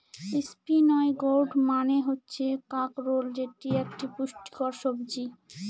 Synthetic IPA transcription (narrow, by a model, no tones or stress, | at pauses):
ispinɔeɡoɾɖmaneɦotːɕʰekakɾold͡ʑeʈiek̚ʈipuʃʈi̥koɾʃobd͡ʑi